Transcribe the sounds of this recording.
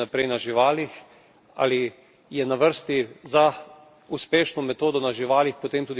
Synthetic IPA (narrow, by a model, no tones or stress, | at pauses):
apɾɛjnaʒiʋaːlix | a̰ːli | jɛnaʋəɾst̪iza | uspeːʃnɔmɛt̪oːd̪ɔnaʒiʋaːlixpɔt̪eːmt̪ud̪